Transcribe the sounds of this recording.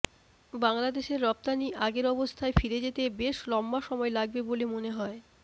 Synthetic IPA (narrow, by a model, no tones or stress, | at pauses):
baŋlad̪eʃeɾːɔp̚t̪aniʔaɡeɾɔbost̪ʰaefiɾed͡ʑet̪ebeʃlɔmːaʃɔmɔelaɡ̚bebolemoneɦɔe